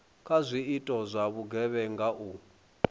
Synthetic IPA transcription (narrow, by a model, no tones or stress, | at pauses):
kʰʼazʷiitʼɔzʷaβuɡʱɛβɛŋɡaʔu